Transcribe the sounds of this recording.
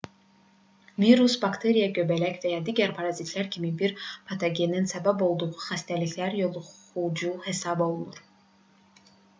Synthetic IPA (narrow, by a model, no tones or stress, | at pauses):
viɾusbakt̪ʰe̞ɾijaɟøbælæcvæjɑd̪iːɟæɾpʰɑɾɑzit̪ʰlæɾcʰimibiɾpʰat̪ʰoɟe̞ninsæbæbo̞lˠd̪uʁuxæst̪ʰæliçlæɾjo̞lˠu | ud͡ʒuhe̞sɑbo̞lˠnuɾ